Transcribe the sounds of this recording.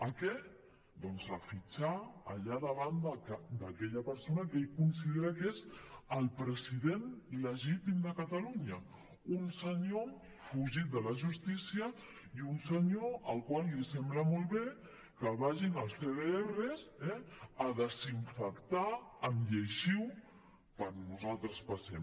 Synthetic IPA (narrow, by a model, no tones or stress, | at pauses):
əkɛ | d̪ɔnzafit͡ʃaə̰ʎaðəβand̪əd̪əkɛʎəpəɾsonəkejkuns̬iðeɾəkezəlˠpɾəziðenləʒit̪imd̪əkət̪əluɲə | unsəɲo | fuʒit̪̚d̪ələʒust̪isiə | iunsəɲoəlˠkwalisɛmbləmolˠβe | kəlβaʒinəlˠst̪eðeerəzɛəðəziɱfəkt̪aəmʎəʃiw | pəɾnuzalˠt̪ɾəspɐsɛm